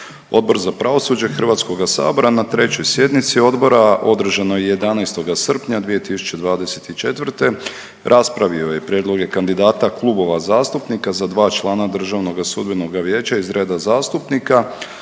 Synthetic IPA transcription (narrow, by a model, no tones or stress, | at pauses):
o̞̰d̪̚bo̞ɾzapɾaʋo̞sud͡ʑexr̩ʋaːt̪sko̞ɡasa̰ːbo̞ɾanat̪ɾe̞t͡ɕo̞jsje̞d̪nit̪sio̞d̪bo̞ɾaʔo̞d̪r̩ʒanojeje̞d̪anajst̪o̞ɡasr̩pɲad̪ʋije̞t̪isu̥t͡ɕe̞d̪ʋaːd̪e̞se̞t̪it͡ʃe̞t̪ʋr̩t̪e̞ | ɾʔaspɾaʋio̞je̞pɾʲjed̪lˠo̞ɡe̞kand̪id̪aːt̪aklˠubo̞ʋazaːst̪upnikazad̪ʋaːt͡ʃlˠaːnad̪r̩ʒaʋno̞ɡasud̪bino̞ɡaʋje̞ːt͡ɕaizɾe̞ːd̪azaːst̪upnika